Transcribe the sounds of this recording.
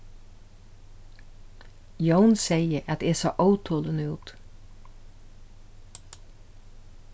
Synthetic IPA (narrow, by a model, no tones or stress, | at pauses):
jœʊnseɪəʔɑt̪̚eeːso̰ːʔɑʉt̪ʰuːlənəʉ̰ːt̪